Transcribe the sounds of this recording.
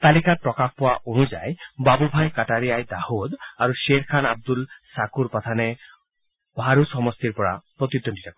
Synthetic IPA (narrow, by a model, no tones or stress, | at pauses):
t̪alikaɾpɾɔkakʰpoaʔonud͡ʒa̰ebabubʱajkaʈaɾiajd̪ahud̪aɾuʃeɾkʰanab̚d̪ulsakuɾpat̪ʰane | bʱaɾusɔmɔst̪iɾpɔɽa̰pɾɔt̪id̪ːonʈi̥takɔ